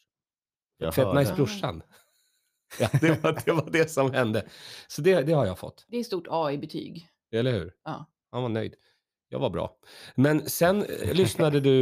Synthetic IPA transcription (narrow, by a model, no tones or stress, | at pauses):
fɛnajsbɾɵʂːa̰n | ɑd̪ɛvad̪ɛvaɖɛsɔmhɛnd̪əsɔd̪ɛd̪ɛhaɾjafɔ̰t̪ːd̪ɛːst̪uːʈʰɑːibɛt̪ʰy̰ːɡ | ɛlːəɾhʉ̟ːɾɑː | hanvanœ̰jd̪̥ | jɑ̰ːɡvabɾɑ̰ː | mɛnsɛnlʏsnad̪əd̪ɵ